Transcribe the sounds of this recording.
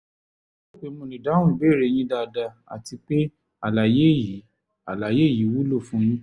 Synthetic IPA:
k͡pe˧mõ˧˨nĩ˨da˨˦w̃ũ˦˨be˦˨ɾe˨˧˨j̃ĩ˦da˧˨da˧a̰˨ti˧k͡pe˦ | a˨la˨je˦˨ji˨˦ | a˨la˨je˦˨ji˨˦wu˦lo˦˨fũ˨˦j̃ĩ˦

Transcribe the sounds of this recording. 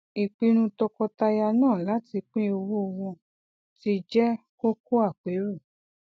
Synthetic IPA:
i˨k͡pi˧˦ɾ̃ũ˧tɔ˧kɔ˧ta˧ja˧nãː˦˨la˨˦ti˧k͡pĩ˦o˧wo˦˧wɔ̃˧ | ti˧d͡ʒɛ˦ | ko˦ko˦a˦˨k͡pe˨˦ɾu˦˨

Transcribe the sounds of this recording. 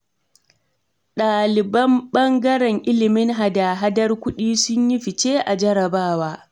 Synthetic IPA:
ɗaː˨lɪ˨bɐ˦mɓɐ˦ŋɡɐ˦ɾɛ˨ŋʔɪ˦lɪ˨mɪ˦ŋɦa˨daː˨ɦa˦dɐ˦rkʷʊ˦ɗiː˦sʊ˦ɲji˦ɸɪ˨t͡ʃeː˦ʔa˨d͡ʒɐ˦ɾɐ˨baː˦waː˦

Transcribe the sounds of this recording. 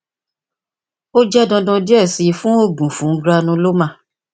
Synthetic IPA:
o˦d͡ʒɛ˦dɔ̃˧dɔ̃˧di˦ɛ˦˨si˨˧fũ˦o˦˨bu˨fũ˨˦ɡɾa˧nũ˧˦lo˦mã˦˨

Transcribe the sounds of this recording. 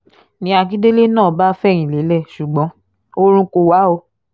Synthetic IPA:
nĩ˧a˧ki˦de˦le˦nãː˦˨ba˦fɛ˦˨j̃ĩ˨le˨˦lɛ˦˨ʃu˨ɡ͡bɔ̃˨˦ | o˦ɾ̃ũ˧ko˧wa˨˦o˧

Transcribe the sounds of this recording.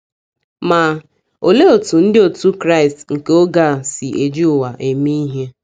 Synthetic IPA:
ma˨ | o˨le˦o˨tu˨n̩˦dɪ˦o˨tu˦kɾa˦ɪ˨stŋ̩˨ke˦o˦ɡa˦˨sɪ˨ʔe˨d͡ʒi˦ʊ˨wa˨ʔe˨mi˦i˦ɦe˦

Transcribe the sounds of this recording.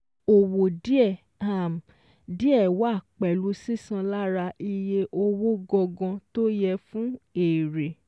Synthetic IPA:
o˨wo˨di˦ɛ˦˨ | a˦˨m̩˨ | di˦ɛ˦˨wa˦˨k͡pɛ˨lu˨˧si˦sã˧la˦ɾa˧i˧je˧ʔo˧wo˦ɡɔ˧ɡɔ̃˧to˦jɛ˧fũ˦eː˨ɾe˨

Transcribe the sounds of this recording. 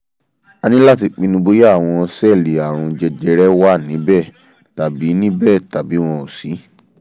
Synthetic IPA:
a˧nĩ˦la˦˨ti˧˨k͡pi˧nũ˧bo˧˦ja˦˨w̃ɔ̃˧sɛ˦˨le˨a˨w̃ɔ̃˧d͡ʒɛ˧d͡ʒɛ˨˦ɾɛ˦wa˦˨nĩ˨˦bɛ˦˨ | ta˨bi˨˦nĩ˦bɛ˦˨ta˨bi˨˦w̃ɔ̃˧o˨si˨˦

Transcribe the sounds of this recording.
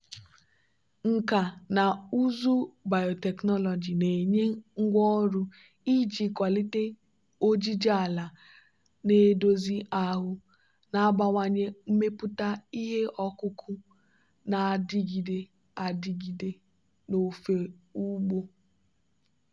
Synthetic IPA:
ŋ̩˨ka˨na˨u˦zu˦ba˨jo˨tɛ˨knɔ˦lɔ˨d͡ʒi˨ne˨ɲe˦ŋ̩˦ɡʷɔ˦ɾu˦ | i˦d͡ʒi˨kʷa˨li˦te˦ | o˦d͡ʒi˦d͡ʒa˨la˨ | ne˦do˦zi˦ʔa˦ɦʊ˦ | na˨a˦ba˦ŋʷa˦ɲe˦m̩˦me˦pʊ˦ta˦i˦ɦe˦ʔɔ˦kʊ˦kʰʊ˦ | na˨a˨dɪ˦ɡi˨de˦ | a˨di˦ɡi˨de˦ | no˨fe˨u˦ɡ͡bo˦

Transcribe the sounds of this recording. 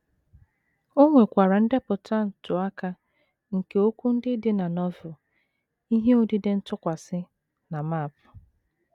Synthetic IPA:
o˦ŋʷe˨kʷa˨ɾa˨n̩˦dɪ˦pʊ˨ta˦n̩˨tʊ˨a˦ka˦ | ŋ̩˨ke˨o˦kʷu˦n̩˦dɪ˦dɪ˦na˨nɔ˦vʊ˨ | i˦ɦe˦o˦dɪ˦dɪ˦n̩˦tʊ˦kʷa˨sɪ˦ | na˨ma˦˨pʊ˨

